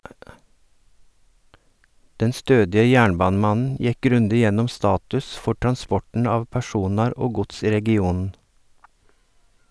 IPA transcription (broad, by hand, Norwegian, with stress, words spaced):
ˈdɛn ˈstøːdɪə ˈjæːɳˌbɑːnəˌmɑnn̩ ˈjɛk ˈɡɾʉndɪ ˈjɛnɔm ˈstɑːtʉs ˈfɔɾ tɾɑnˈspɔʈn̩ ˈɑːʋ pæˈʃuːnɑɾ ˈoː ˈɡʊts ˈiː ɾɛɡɪˈuːnn̩